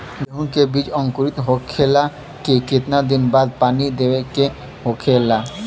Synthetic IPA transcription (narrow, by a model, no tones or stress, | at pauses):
dɦunkebid͡ʒɔŋkoɾit̪oɦokʰːela | keket̪nad̪inbad̪̚panid̪eweke | ɦokʰela